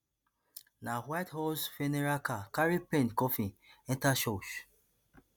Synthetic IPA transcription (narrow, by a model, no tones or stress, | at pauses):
nawathɔsfeneɹakakaɹipẽntkɔfĩɛ̃ntaʃoʃ